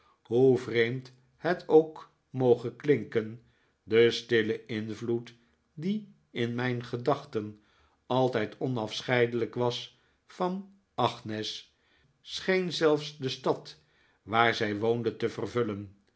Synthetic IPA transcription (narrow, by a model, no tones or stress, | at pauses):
ɦuvrejmt | hətʰowk | mowχəklɪŋkən | dəstɪləɪnvlut | di | ɪnmɛjnχədɑχtən | ɑlˠtɛjtʰɔnɑfsχɛjdələkʋɑs | fɑn | ʔɑχnɪsː | χejnzɛlˠfsdəstɑt | ʋaːɹzɛjʋowndəntəvərvɵlən